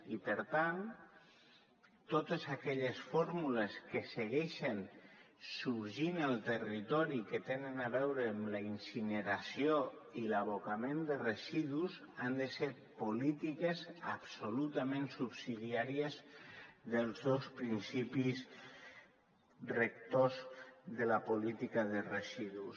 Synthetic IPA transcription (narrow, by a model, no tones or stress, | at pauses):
ipəɾt̪an | t̪ot̪əzakɛʎəsfoɾmuləskəsəɣɛʃən | suɾʒinəlˠt̪ərit̪ɔɾikət̪enənaβɛwɾəːmləinsinəɾasioilaβokamẽnd̪ərəziðuz | and̪əseɾ | polit̪ikeza̰psolut̪amẽnsupsiðiaɾiəzðəlˠzðospɾinsipiz | rək̚t̪ozðəlapolit̪ikaðərəziðus